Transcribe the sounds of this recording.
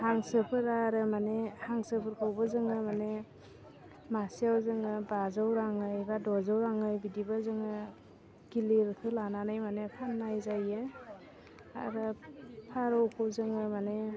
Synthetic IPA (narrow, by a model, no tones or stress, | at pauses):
haŋsɯpʰɯɾaɾɯmanehaŋsɯpʰɯɾkʰawbɯzɯŋɯmane | masijawzɯŋɯbazawɾaŋɯjbadɔzawɾaŋɯjbidibazɯŋɯ | ɡ̥iliɾtʰɯlananajmanekʰanːajzajɯ | a̰ɾɯpʰaɾɔwkʰɯwzɯŋɯmane